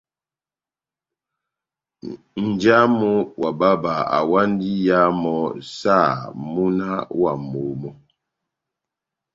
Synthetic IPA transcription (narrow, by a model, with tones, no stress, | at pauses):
n̩˨d͡ʒa˦mo˦wa˨ba˦ba˨a̰˨wa˦n˦di˦ja˦mɔ˨˦sa˦˨mu˦na˦wa̰˨mo˨˦mɔ˦